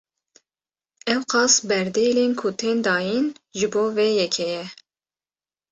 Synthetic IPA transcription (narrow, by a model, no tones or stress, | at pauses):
ɛwqɑːsbɛɾd̪ejleːnkʰʊt̪ʰeːnd̪ɑːjinʒɨboːvejɛkʰɛjɛ